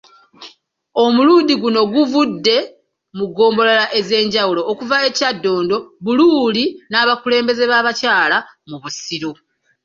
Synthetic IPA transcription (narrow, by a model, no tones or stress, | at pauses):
o̞muluːndiɡuno̞ɡuvudːe̞ | muɡo̞ːmbo̞lalaʔe̞ze̞ːɲɟawulo̞ːkuvae̞cadːo̞ːndo̞βuluːlinaːβakule̞ːmbe̞ze̞βaːβacaːlamuβusiɾo